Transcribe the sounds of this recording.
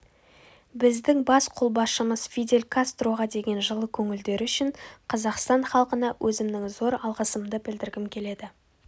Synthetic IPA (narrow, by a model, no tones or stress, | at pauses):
bɪzd̪ɪŋbɑsqʰolˠbɑʃəməz̥fʲijd̪e̞lʲkʰast̪ɾo̞ʁɑd̪e̞ɡʲe̞nʒəlˠəkʲʰɵŋɪld̪e̞ɾʏʃɪɴqʰɑzɑqst̪ɑɴχɑlˠqənɑwʔɵzɪmnɪŋzo̞ɾɑlˠʁəsəmd̪əbɪld̪ɪɾɡʲɪmkʲʰe̞le̞d̪ɪ